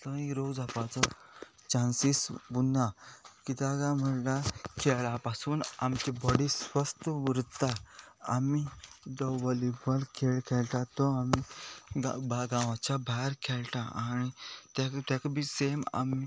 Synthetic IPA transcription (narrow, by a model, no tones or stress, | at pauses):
tə̃iɾod͡zapat͡sɔ | t͡ɕãnsisbunːakit̪aɡãm̤əlakʰɛɭapasuːnamt͡ɕibɔɽisʋəst̪əʋəɾt̪aa̰mid͡zɔʋɔlibəlkʰelkʰɛlʈ̪ãt̪ɔamiɡa̰baɡãʋat͡ɕabʱaɾkʰɛlʈãanit̪at̪akbisema̰mi